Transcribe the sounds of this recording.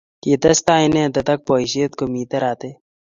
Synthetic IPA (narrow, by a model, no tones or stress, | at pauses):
kiːt̪ɐst̪aːinẽːd̪ɐt̪ɐk̚pɔːiʃit̪̚komiːt̪ɐɾaːt̪e